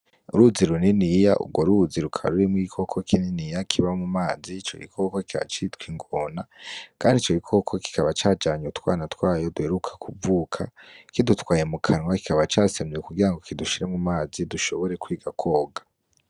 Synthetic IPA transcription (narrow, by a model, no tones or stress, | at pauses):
uɾuziɾuninijaʔṵbɡwoɾuziɾukʰa̰ɾuɾimwikʰo̞kʰokʰininijakʰiβamumaːzit͡ʃo̰ɡḭkʰokokikʰaβa̰t͡ʃitkwiŋɡoːnakʰaːndit͡ʃoɡikʰo̞kʰoki̥kaβat͡ʃaːd͡ʒaːɲutwa̰ːnatwaːjo̞duheɾukʰḁkʰuvuːkʰakidutwaːjemukʰanwaki̥kaβat͡ʃaːsamekuɡiɾaŋɡo̞kiduʃiɾemumaːziduʃo̞βo̞ɾe̞kwiːɡakʰo̞ːɡḁ